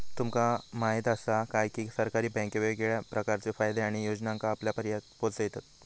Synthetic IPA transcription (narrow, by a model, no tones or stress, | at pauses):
t̪umkamaɦit̪əsakajkiːsəɾkaɾiːbɛ̃keʋeɡeɭjapɾəkaɾt͡sefajd̪eaɽ̃ijod͡znãŋkaːpljapəɾjat̪polsəjt̪at̪̚